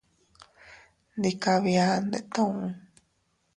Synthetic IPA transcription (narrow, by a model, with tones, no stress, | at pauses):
nd̪i˧ka˧βi˧a˧nd̪ḛ˧ʔt̪õ˦˧ũ˧